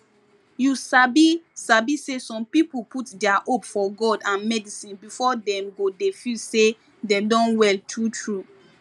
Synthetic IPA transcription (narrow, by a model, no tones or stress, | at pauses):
jusabisabisesɔ̃mpipuputdɛaʔopfɔɡɔdãnmɛdisĩnbifɔdɛ̃mɡodefise | dedɔ̃nwɛltʰutʰɹu